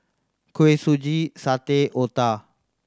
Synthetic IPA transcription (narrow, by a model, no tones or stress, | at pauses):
kʰuesud͡ʒisat̪eʔot̪a